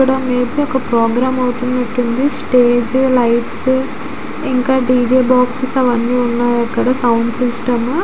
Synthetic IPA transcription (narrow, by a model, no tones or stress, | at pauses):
uɽaːmeːbiɔkːɐpɾoːɡɾaːmɐwt̪und̪ɐʈːund̪isʈeːd͡ʒlɐjʈs | iŋkaːɖiːd͡ʒeːbaːksesɐʋɐnːiːunːaːɾɐkːɐɽɐsɐwɳɖsisʈɐm